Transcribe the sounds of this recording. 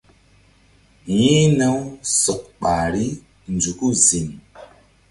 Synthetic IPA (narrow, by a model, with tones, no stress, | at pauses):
ji˦nə˦wsɔ˨k̚ɓa˨ɾi˦ | n˨d͡ʒu˨ku˦˨zi˨n